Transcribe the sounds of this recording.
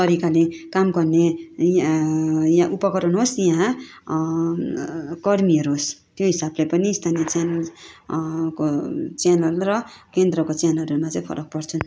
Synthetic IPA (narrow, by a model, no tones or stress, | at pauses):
t̪ʌɾikalekamɡʌrne | jãʔupʌkʌɾʌnɦosjɦã | kʌrmiʌɾuɦost̪joɦisablepʌniːst̪ʰanijʌt͡sjanʌl | kot͡sjanʌlrʌkend̪rʌkot͡sjanʌlʌɾumat͡sʌj̃pʰʌ̰ɾʔʌk̚pʌrt͡sʰun